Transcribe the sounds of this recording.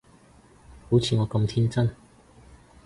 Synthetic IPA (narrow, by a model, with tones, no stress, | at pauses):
ku˨˥t͡sʰiː˨˧ŋɔː˨˧kɐ˧mt̪ʰi˥nt͡sɐ˥˨n